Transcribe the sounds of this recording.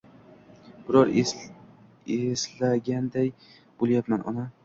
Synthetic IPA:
b̥ɪɾɒɾ | eslaɡʲand̪aj | b̥olˠjapmanʔɒ̰na

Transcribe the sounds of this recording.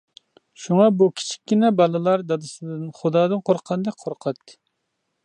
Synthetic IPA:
ʃuŋɑbukʲʰi̥t͡ʃʰi̥kʲːinɛbɑlˠɨlˠɑɾd̪ɑd̪ɨsɨd̪ɨnχʊd̪ɑːd̪ɨnqʰoɾqʰɑnd̪ɛk̚ʲqʰoɾqʰɑt̪ː

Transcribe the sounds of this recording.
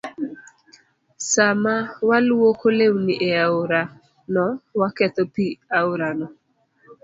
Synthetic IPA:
samawalwokolewnɪʔeaʊɾa | nɔwakɛt̪ɔpiaʊɾanɔ

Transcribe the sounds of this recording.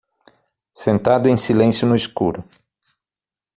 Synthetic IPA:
sẽnt̪ad̪ʊẽj̃silẽsjʊnʊiskuɾʊ

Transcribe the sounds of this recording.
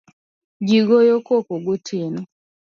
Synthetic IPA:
d͡ʒiɡojokokoɡotʰen

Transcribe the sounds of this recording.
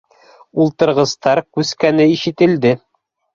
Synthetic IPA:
ulˠt̪ɤ̆ɾʁɤ̆st̪ɑɾkʉskænɘiʃɘ̆t̪ɘ̆ld̪ɘ

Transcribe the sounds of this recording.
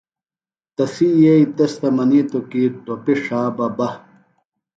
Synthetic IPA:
t̪ɐfijeit̪ɐst̪ɐmɐnit̪okiʈopiʂaːbɐbɐ

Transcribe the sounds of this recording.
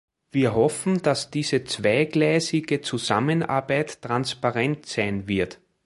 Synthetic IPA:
viːɐɦɔfn̩d̥asd̥iːzət͡svaɪɡ̥læɪzɪɡət͡suza̰mənʔa̰ɐbæɪtːʁ̥anspaʁɛntsæɪnvɪɐt

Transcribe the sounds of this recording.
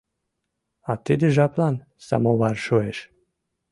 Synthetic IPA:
at̪ed̪əʒaplan | sa̰mowaɾʃoeʃ

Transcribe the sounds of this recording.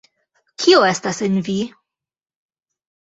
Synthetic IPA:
kʰioe̞stasenvi

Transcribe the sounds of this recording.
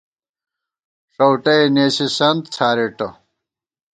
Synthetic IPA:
ʂɐwʈɐjneːsisɐnd̪̚t͡sʰaːɾeʈɐ

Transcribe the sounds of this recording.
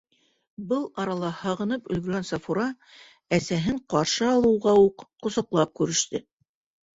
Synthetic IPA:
bɤlˠɑɾɑlˠɑhɑʁɤ̆nɤpɵ̆lɡɵ̆ɾɡænsɑfuɾɑ | æsæɦɘɴqɑɾʃɤɑlˠɤ̆wʁɑuqːŏsɤ̆qlˠɑp̚kʉɾɘ̆ʃt̪ɘ

